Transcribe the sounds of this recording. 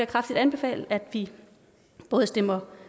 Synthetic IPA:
ɐkʰʁafd̥id̥ænb̥e̝fɛ̰ːlæd̥ʋi | b̥ɔ̽ːð̞̩ˠsd̥em̰ɐ

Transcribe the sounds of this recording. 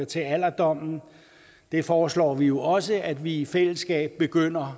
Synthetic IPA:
ɐt͡sʰe̝æl̰ɐd̥ɒ̽m̰n̩ | d̥e̝fɒːslɒ̰ːʋijo̝ʔɒ̽səæd̥ʋiifel̰əsɡ̥ɛ̰ːb̥ːe̝ɡ̥øn̰ɐ

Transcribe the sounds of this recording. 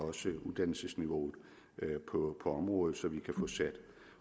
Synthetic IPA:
ɒ̽səuðˠd̥æn̰l̩səsniʋo̝ːð̩ˠ | pʰɒ̽pʰɒ̽ɒ̽mʁɔ̽ːð̩ˠsɒ̽ʋikʰæfɔ̽sæd̥

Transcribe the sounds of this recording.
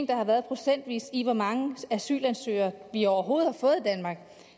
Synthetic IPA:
ŋd̥ɑ̈hɑ̈ʋæɐð̞ˠpʰʁo̝sen̰d̥ʋḭːsiʋɒmɑ̈ŋəæsy̰ːlænsø̰ːɐʋiɒʊɐɦo̝ːð̩ˠhɑ̈fɔ̽ːð̞̩ˠd̥ænmɑ̈ːɡ̥

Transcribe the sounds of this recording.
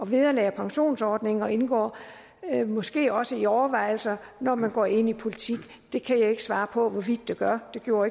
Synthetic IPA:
ɒ̽ʋiðˠɐlɛ̰ːɐpʰɑ̈ŋɕo̝̰ːnsɒːd̥ne̝ŋɒ̽e̝nɡ̥ɒ̰ː | mɒ̽sɡ̥e̝̰ːɒ̽səiɒʊɐʋɑ̈ɪ̰l̩sɐnɒmænɡ̥ɒ̰ːe̝n̰ipʰo̝lit͡sʰiɡ̥ | d̥e̝kʰæjɑ̈e̝ɡ̥əsʋɑ̈ːpʰɒ̽ʋɒʋid̥ˠːe̝ɡ̥ɶɐd̥e̝ɡ̥jo̝̰ːɐe

